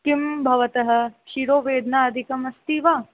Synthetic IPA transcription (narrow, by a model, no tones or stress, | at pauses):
kimbʱɐʋɐt̪ɐɦɐ̆ʃiɾoːʋeːd̪ʱnaːɐd̪ʱikɐmɐst̪iːʋaː